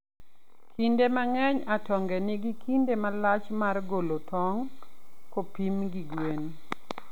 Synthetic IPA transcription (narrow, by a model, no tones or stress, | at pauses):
kʰindemaŋɛɲatɔŋɡɛnɪɡikindemalat͡ʃmarɡolotɔŋkopimɡiɡwen